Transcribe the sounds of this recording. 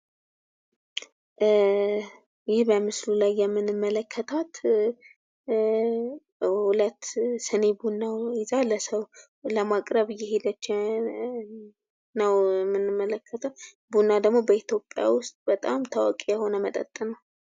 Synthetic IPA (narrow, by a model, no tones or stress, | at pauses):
jɪhbəmɨslulajːɛmːɨnɨmːələkʰːət̪ʰat̪ | hulət̪ːsɨne̞bunːawɪzaləsəw | ləmakʼɾəβɨjːɛhed̪ət͡ʃː | nəwɛmːɨnːɨmːələkʰːət̪ʰəw | bunːad̪əɡmo̞bəit̪jo̞pʼːja̰wʊst̪ʼbət̪ʼamt̪ʰawakʼejɛho̞nəmət̪ʼə̰t̪ʼːənəw